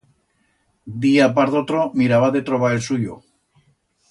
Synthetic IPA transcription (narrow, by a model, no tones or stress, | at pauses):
d̪iap̬aɾðot̪ɾomiɾaβaðet̪ɾoβaelsuʎo̰